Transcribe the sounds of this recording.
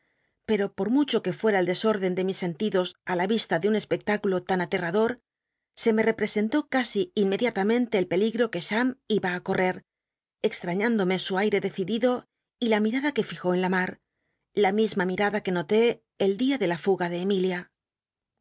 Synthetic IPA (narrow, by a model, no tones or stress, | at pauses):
pe̞ɾo̞po̞ɾmut͡ʃo̞ke̞fwe̞ɾaeld̪e̞so̞ɾðe̞nd̪e̞misːe̞nt̪iðo̞salaβist̪aðeunespe̞k̚t̪akulo̞t̪anat̪e̞raðo̞ɾ | se̞me̞re̞pɾe̞se̞nt̪o̞kasiinme̞ðjat̪amẽ̞nt̪e̞ːlpe̞liɣɾo̞ke̞ʃamiβaːko̞re̞ɾ | e̞kst̪ɾaɲãnd̪o̞me̞suajɾe̞ðe̞θiðiðo̞ | ilamiɾaðake̞fixo̞enlamaɾ | lamizmamiɾaðake̞no̞t̪e̞ː | ld̪iaðe̞lafuɣaðe̞ːmilja